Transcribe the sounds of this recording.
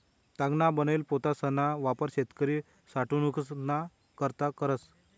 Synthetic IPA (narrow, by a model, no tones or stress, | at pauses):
t̪aɡnabənelpot̪asənaʋapəɾɕet̪kəɾi | saʈunukna | kəɾt̪akəɾət͡s